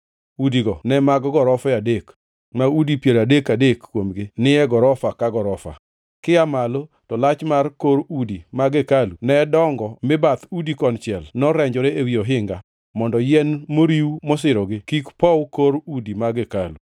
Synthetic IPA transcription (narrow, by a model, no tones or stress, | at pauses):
udiɡɔnɛmaɡɡɔɾɔfɛadek | maudipjeɾadekadekːwomɡɪnɪɛɡɔɾɔfakaɡɔɾɔfa̰ | kɪamalo | tɔlat͡ʃmarkoɾudimaɡekalunɛdɔŋɡɔmɪbat̪udikɔnt͡ʃɪɛlnɔɾɛɲd͡ʒɔɾeewioɦɪŋɡa | mɔndɔjɛnmoɾiwumɔsɪɾɔɡɪkikpɔwkoɾudimaɡekalu